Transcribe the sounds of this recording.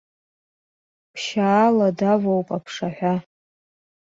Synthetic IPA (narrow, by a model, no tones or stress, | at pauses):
pʰʃaːladavowpʼapʰʂaħʷᶣa